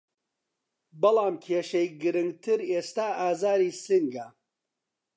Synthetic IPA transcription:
bɨlɑːmkʰeːʃejɡɨɾɨŋɡt̪ʰɨɾeːst̪aːaːzaːɾiːsɨŋɡɐ

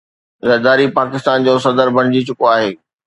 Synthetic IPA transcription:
zɐɾd̪aːɾipaːkɪst̪aːnd͡ʑoːsɐd̪əɾbʱɐɽ̃ɪd͡ʑit͡ɕʊkoaːɦeː

